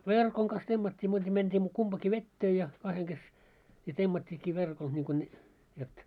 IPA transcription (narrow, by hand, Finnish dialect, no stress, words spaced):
ʋerkoŋ kɑs temːɑtʲːiː muːtɑ mentiː kumpɑki ʋetːeː jɑ kɑheŋ kes jɑ temːɑtʲːiːkːi ʋerkol niŋko ne jot